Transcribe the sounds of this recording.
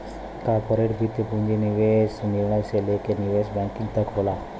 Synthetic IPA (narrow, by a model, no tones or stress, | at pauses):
kɔɾpoɾeʈɡʱit̪ːepuɳd͡ʑeniʋesniɾɳəjselekeniʋesbɛ̃ŋkiŋɡt̪əkɦola